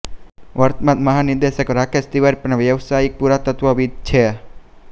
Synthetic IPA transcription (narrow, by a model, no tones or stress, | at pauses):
wʔaɾt̪̚mat̪̚maɦanid̪ɛsɛkɾakɛst̪iwaɾipənawjawsaipuɾat̪ːət̪wawit͡ʃʰɛa